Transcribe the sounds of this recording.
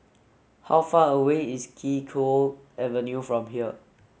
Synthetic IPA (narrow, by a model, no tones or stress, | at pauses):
hawfaːəweiskʰikʰolɛvənjufɹɔ̃mɦiə